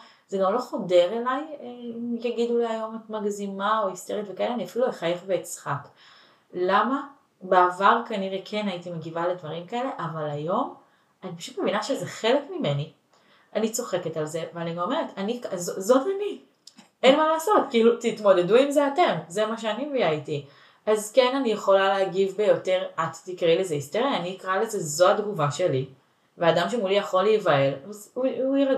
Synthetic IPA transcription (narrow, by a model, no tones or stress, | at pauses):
z̥eɡamlo̞χo̞de̞ʁelajimjaɡiduleajo̞metmaɡzimaoist̪eʁitvekaeleaniafilueχajeχveːt͡sχak | lama | beavaʁkaniʁekʰe̞naitimeɡivaledvaʁimkae̞le̞ʔavalajo̞m | anipaʃut̪me̞vinaʃezeχe̞lekmime̞ni | anit͡so̞χe̞ke̞talze̞vealanio̞me̞ʁetanikazozo̞tani | enmalaːso̞tkiːlutitmo̞de̞duimzeate̞mzemaʃ̬eaniijaiti | azke̞nanijeχo̞laleaɡivbe̞jo̞te̞ʁattikʁele̞zeisteʁjaːniːkʁaleze̞zo̞adɡuvaʃe̞li | veadamʃemulijaχo̞lejvaelzuuiʁa